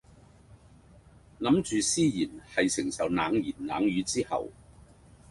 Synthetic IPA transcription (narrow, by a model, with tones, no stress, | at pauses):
nɐ˨˥mt͡ʃyː˨siː˥jiː˨˩nhɐ˨jsɪ˨˩ŋsɐ˨˩wnaː˨˧ŋjiː˨˩nnaː˨˥ŋjyː˨˧t͡siː˥hɐ̰˨w